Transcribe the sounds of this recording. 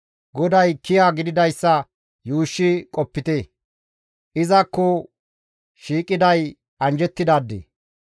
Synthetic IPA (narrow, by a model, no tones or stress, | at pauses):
ɡɔd̪ɐjkɪjaːɡɪd̪ɪd̪ɐjsːɐ | juːʃːɪkʼɔpːɪt̪eː | ʔɪzɐkːɔ | ʃiːkʼːɪd̪ɐj | ɐnd͡ʒɛt̪ːɪd̪aːd̪ːḛː